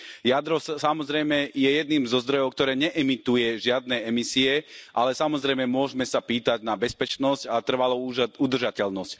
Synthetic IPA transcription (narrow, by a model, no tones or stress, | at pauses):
jad̪ɾɔssamɔzɾɛjmɛjɛjɛd̪niːmzɔzd̪ɾɔjɔʊk̚t̪ɔɾɛːɲɛʔɛmit̪ujɛʒɪad̪nɛɛmisiɛʔa̰lɛsamɔzɾɛjmɛmʊɔʒmɛsapiːt̪aɟnabɛspɛt͡ʃnɔscat̪r̩ʋaluud̪r̩ʒacɛlnɔsc